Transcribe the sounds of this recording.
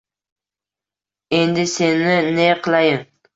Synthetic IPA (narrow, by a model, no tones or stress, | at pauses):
end̪ɪsenɪneqʰɨlˠajɪŋ